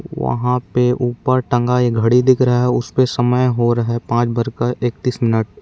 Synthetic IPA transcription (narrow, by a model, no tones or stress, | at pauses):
ʋɐ̰ɦãpeʔuːpəɾʈɐ̃ŋɡajeɡʱɐɽid̪ɪkʰɾɐɦaɦɛʊspesɐməjɦoɾɐɦɛpãːt͡ʃbəɾkaʔeːk̚t̪iːsmɪnəʈ